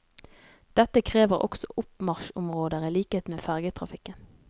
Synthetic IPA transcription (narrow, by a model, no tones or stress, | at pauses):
d̪̥ɛt̪əkʰʁeːʋəʁɔ̰ksɔ̰ʔʊpmɑʁʃʊmʁoːd̪əʁiːliːkəheːt̪meːfæʁɡət̪ʰʁɑfɪkən